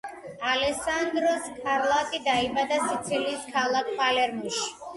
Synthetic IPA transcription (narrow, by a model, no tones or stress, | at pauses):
alɛsand̪ɾɔskʰaɾlˠat̪ʼid̪aibad̪asit̪sʰiliːskʰalˠakʰpʼalɛɾmuʃi̥